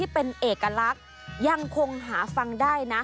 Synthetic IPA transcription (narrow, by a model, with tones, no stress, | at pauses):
iː˥˩pe˧nʔeː˨˩kːa˧la˦˥k̚ | ja˧ŋkʰo˧ŋɦaː˩˦fa˧ŋdaː˥˩jna˦˥